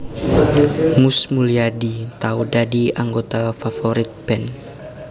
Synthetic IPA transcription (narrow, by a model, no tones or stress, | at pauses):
musmuliadit̪audadiaŋɡot̪afafoɾɪt̪̚b̥ɛn